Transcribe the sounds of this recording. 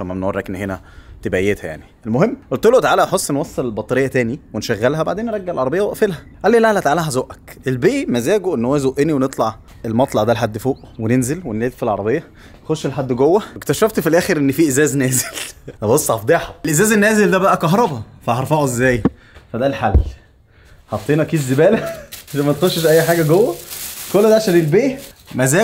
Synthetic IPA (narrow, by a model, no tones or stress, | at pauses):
omæmenorˤːɑkʔenːɦenæ | t̪ebæjːet̪hæja̰ʕnielmoɦemːʔolt̪elʔot̪aʕaːlæʔħosˤːnwɑsˤːelelbɑt̪ˤɑɾejːæt̪æːniwenʃæɣːælɦæbaʕd̪eːnːeɾˤɑɡːeʕelʕɑɾˤɑbejːæwæʔfelhæʔælːeːlælæt̪aʕalæɦæzoːʔækʔelbeːʔmæzæːɡoʔenːhowːæzoʔeniwenet̪ˤlɑʕ | elmɑt̪ˤlɑʕd̪ælħad̪ːfoːʔwenenzelwenleːd̪filʕɑɾˤɑbejːɑ | nxoʃːelħad̪ːɡowːæekt̪æʃæft̪filʔæːxeɾʔenːfiːʔezæːznæːze̥læbosˤːʕɑfd̪ˤeʕħɑlʔezæːzenːæːzeld̪æbæʔækɑɦɾˤɑbɑfæɦɑɾˤfɑʕoʔezːæːj | fæd̪ælħalː | hɑt̪ˤːiːnɑʔækiːd̪zːebæːlæeʃæmæt̪xoʃːeʃʔæjːħaːɡæɡowːækolːæd̪æʕʃælelbeːmæzæː